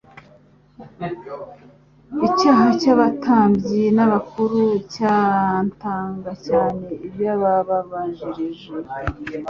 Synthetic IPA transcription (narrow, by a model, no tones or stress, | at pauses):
icaːɦacaβatʰaːmbɟinaβakuɾucantaːŋɡacaːne̞iβjaβaβaβaːɲʒiɾiʒe